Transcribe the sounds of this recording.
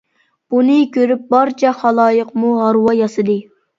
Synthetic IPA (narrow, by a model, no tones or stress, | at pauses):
b̥unɨkʲʰøɾyp̚bɑɾt͡ʃʰɛχɑlˠɑːjəqmuɦɑɾwɑjɑsɨd̪ɨ